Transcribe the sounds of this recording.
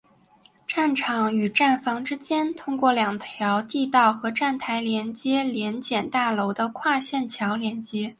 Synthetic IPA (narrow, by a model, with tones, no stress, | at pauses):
ʈ͡ʂa˥˩nʈ͡ʂʰɑ˨˧˥ŋy˨˩ʈ͡ʂa˥˩nfɑ˧˥ŋʈ͡ʂɻ̩˥t͡ɕjɛ˥nt̪ʰʊ˥ŋkwɔ˥˩ljɑ˨˩ŋt̪ʰjɑ˧˥ʊt̪i˥˧t̪ɑ˥˩ʊxɤ˧˥ʈ͡ʂa˥˩nt̪ʰa˧˥ɪljɛ˧˥nt͡ɕjɛ˥ljɛ˧˥nt͡ɕjɛ˨˩nt̪a˥˩lo˧˥ʊd̪ə˧kʰwa˥˧ɕjɛ˥˩nt͡ɕʰjɑ˧˥ʊljɛ˧˥nt͡ɕjɛ˥